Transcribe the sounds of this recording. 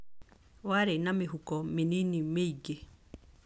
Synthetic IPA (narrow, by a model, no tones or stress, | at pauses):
waɾenamɪɦukɔmeninimeiɡe